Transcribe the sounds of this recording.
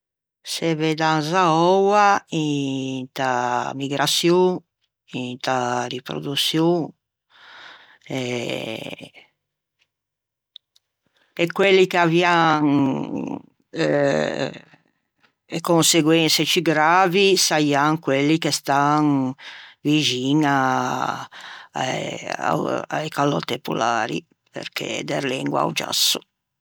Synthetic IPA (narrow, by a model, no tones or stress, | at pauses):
sɛvɛd̪anzaɔwaint̪amiɡɾat̪sju | int̪aripɾo̰d̪usjuŋ | ɛ | ɛkːwelːikeavjaŋ | ekonseɡwɛnset͡ʃiɡɾaːvisajaŋkwelːikest̪aŋ | vid͡ʒiːna | a̰jkalːɔt̪epṵla̰ːɾḭ | pḛɾkʰḛd̪ḛɾlɛŋɡwa̰wd͡ʒa̰sːu